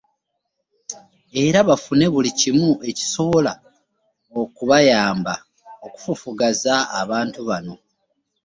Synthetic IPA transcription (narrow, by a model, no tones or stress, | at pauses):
e̞ɾaβafune̞βulicimue̞ci̥so̞βo̞la | okuβajaːmba | oku̥fufuɡaza̰ːβaːntuβano̞